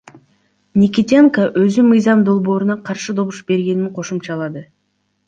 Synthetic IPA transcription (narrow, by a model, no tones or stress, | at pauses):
nʲikʲit̪ʲeŋkaʔøzymɯjzɑmd̪o̞lˠbo̞ːɾunɑqʰɑɾʃɯd̪o̞βuʃbe̞ɾɡʲe̞niŋqʰo̞ʃumt͡ʃɑlˠɑd̪ɯ